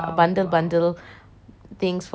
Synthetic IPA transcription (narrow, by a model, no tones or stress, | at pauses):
bɐ̃ɳɖəlbɐ̃ɳɖəl | t̪ʰɪ̃ŋsf